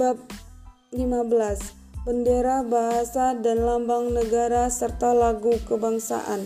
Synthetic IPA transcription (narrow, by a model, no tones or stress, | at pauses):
bap̚ | limabəlas | b̥əndeɾabaɦasadanlambaŋnəɡaɾasərt̪alaɡukəbaŋsa̰ʔa̰n